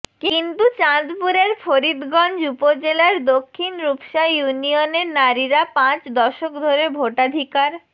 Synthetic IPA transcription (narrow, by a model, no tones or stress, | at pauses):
kint̪ut͡ɕad̪puɾeɾfʰoɾid̪ɡɔnd͡ʑupod͡ʑelaɾd̪okʰːinɾupʃajunioneɾnaɾiɾapãt͡ɕd̪ɔʃokd̪ʱoɾebʱoʈad̪ʱikaɾ